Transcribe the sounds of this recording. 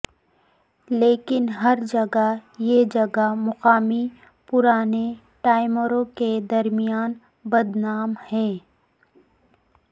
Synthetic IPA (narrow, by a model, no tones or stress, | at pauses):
leːkɪnɦɐɾd͡ʒɐɡajed͡ʒɐɡamʊqaːmi | pʊɾaːne | ʈaːɪməɾõked̪ɐɾmijaːn | bɐd̪naːmhɛː